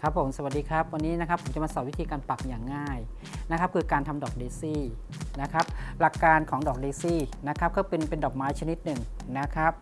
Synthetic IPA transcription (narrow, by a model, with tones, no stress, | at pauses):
kʰa˦˥pʰːo˩˦msa˨˩wa˨˩diː˧kʰɾa˦˥p̚wa˧nːiː˦˥na˦˥kʰa˦˥pʰo˩˦mt͡ɕa˨˩maː˧sɔː˨˩wi˦˥t̪ʰiː˧kaː˧npa˨˩p̚jaː˨˩ŋːaː˥˩j | na˦˥kʰa˦˥p̚kʰɯː˧kaː˧nt̪ʰa˧mdɔː˨˩k̚deː˧siː˥˩ | na˦˥kʰa˦˥p̚la˨˩kːaː˧nkʰɔː˩˦ŋdɔː˨˩k̚deiː˧siː˥˩na˦˥kʰa˦˥p̚kɔː˥˩pe˧npe˧ndɔː˨˩k̚maː˦˥jt͡ɕʰa˧ni˦˥t̪̚nɯ˨˩ŋ | na˦˥kʰa˦˥p̚